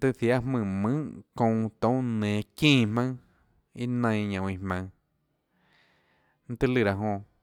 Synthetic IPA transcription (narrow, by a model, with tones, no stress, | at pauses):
t̪ɨ˦ʔθja˦mɨ̃˧˨mɨ̃˦ʔkõ˧˨˧t̪õ˦nẽː˨kĩː˦˨mã˦ | i˦nə̃˧j̃ɲõ˨˧i˧˨hmã˧ŋ | n̩˦t̪ɨ˦lɨ˧ɾa˨ɦõ˧